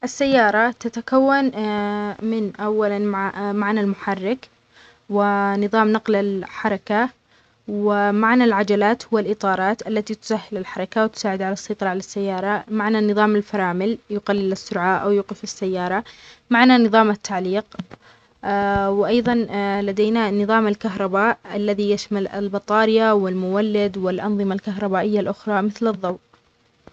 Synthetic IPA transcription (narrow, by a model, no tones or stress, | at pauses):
ʔasːajːɑːɾˤɑt̪at̪akawːan | mɪnʔawːalanmamaʕnalmʊħarːɪk | wɪnɨðˤɑːmnɑqlalħɑɾˤɑka | wɪmaʕnalʕad͡ʒalaːt̪hʊwːalʔɨt̪ˤɑːɾˤɑːt̪ʔalːat̪it̪ʊ̥sahːɪlalħɑɾˤɑkawɪt̪ʊ̥saːʕɪd̪ʕalasˤːɑjt̪ˤɑɾˤɑʕalasːajːɑːɾˤɑmaʕnanːɨðˤɑːmalfɑɾˤɑːmɪljʊqalːɪlɪsːʊɾʕaʔawjuːqɪfɪsːajːɑːɾˤɑmaʕnanɨðˤɑːmat̪ʰːaʕliːq | wʔɑjðˤɑnlad̪eːnanɨðˤɑːmalkaɦɾˤɑbaːʔʔalːaðijaʃmalɪ̰lbɑt̪ˤɑːɾɪjawɪlmʊwalːɪd̪wɪlʔɑnðˤɨmalkaɦɾˤɑbaːʔɪjːalʔʊxɾˤɑmɪθlɨðˤːɑwʔ